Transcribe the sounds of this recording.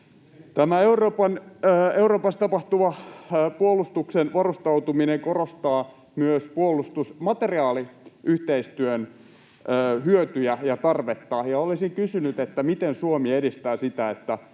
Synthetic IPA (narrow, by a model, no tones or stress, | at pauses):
t̪æmæeuroːpɑnːeuroːpɑst̪ɑpɑht̪uʋɑpuolˑust̪uksenʋɑrust̪ɑut̪umineŋkorost̪ɑː | myøspuolˑust̪usmɑt̪eriɑːliʔyht̪eist̪yønː | hyøt̪yjæjɑt̪ɑrʋet̪ːɑjɑolisiŋkysynyt̪et̪ːæmit̪ensuomiedist̪æːsit̪æet̪ːæ